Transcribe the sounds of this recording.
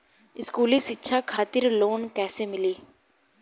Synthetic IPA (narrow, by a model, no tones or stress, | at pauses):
ɪskuːlisɪtːʃʰakʰaːt̪ɪɾloːnkɛːsemɪliː